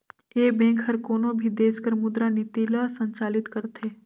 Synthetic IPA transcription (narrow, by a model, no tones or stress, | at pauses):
eːbɛ̃ːŋkɦɐɾkoːnõbʱid̪eːskəɾmʊd̪ɾanɪt̪ilasə̃ɲt͡ʃaːlɪt̪kɐɾt̪eː